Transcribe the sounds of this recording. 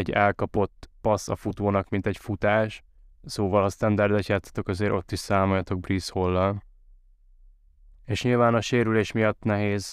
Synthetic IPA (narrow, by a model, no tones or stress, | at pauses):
ɛɟɛlkɒpo̞t̪ːpɒsɒ̰fut̪oːnɒkmint̪ɛcfut̪aːʃ | soːvɒlɒst̪ɛnd̪ɛrd̪ɛcːaːt̪ːɒ̥t̪o̞kɒzeːɾʔo̞t̪ːiʃsaːmojɒt̪o̞ɡ̚brisholːɒl | eːʃɲilvaːnɒʃeːɾyleːʃmijɒt̪ːnɛɦeːz